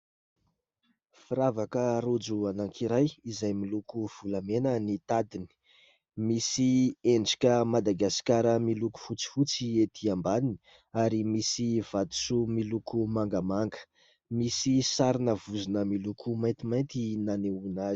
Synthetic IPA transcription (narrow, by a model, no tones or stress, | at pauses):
fiɾavakəɾud͡zuanaŋkʰiɾajizajmilukuv̥ulamenənit̪ad̪ini̥ | misieɳɖ͡ʐi̥kʲəmad̪aɡasi̥kʲaɾəmiluku̥fut͡si̥fut͡siet̪ʰiambanini̥ | aɾimisiv̥at̪u̥sumilukumaŋɡamaŋɡə̥ | misisaɾinəvuzinəmilukʰumajnt̪imajnt̪inaneunaz